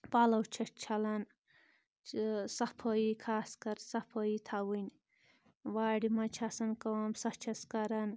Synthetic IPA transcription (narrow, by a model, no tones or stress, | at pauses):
palɐwt͡ʃʰɐʈt͡ʃʰɐlɐn | sɐpʰoikʰaːskɐɾsɐpʰəjit̪ʰawɨnʲ | waːɽimɐt͡ʃʰasɐnkɐwɐmsɐt͡ʃʰɐskɐɾɐn